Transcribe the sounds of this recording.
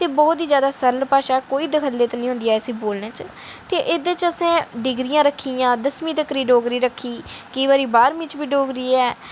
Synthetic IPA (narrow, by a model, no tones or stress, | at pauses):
t̪eːbɔːt̪iːzjaːd̪aːsəɾlpaːʃaːɛkoːiːd̪əkʰəlːeːt̪ːnəĩɦʊ̃nd̪iːaːəsiːboːlnẽːt͡ʃ | t̪eːʔɪd̪et͡ʃəsẽːɖɪɡɾɪjãːɾəkʰːiːjãːd̪əsmĩːt̪əkɾiːɖoːɡɾiːɾəkʰːiːkəiːbaːɾiːbaːɾmĩːt͡ʃʋiːɖoːɡɾiːɛː